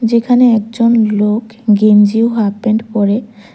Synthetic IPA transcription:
d͡ʑekʰaneɛk̚d͡ʑonlok | ɡemd͡ʑiwɦapeɳɖpɔɾe

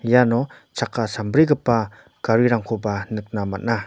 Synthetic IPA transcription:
janɔ | t͡ʃakasambɾiɡɯpːa | kaɾiɾaŋkʰobanɯk̚nama̰t̚na

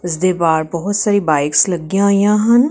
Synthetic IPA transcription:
ɪzd̪eːbaːɾbɔɦʊt̪saːɾibaːɪkslɐɡjãjãɦɐn

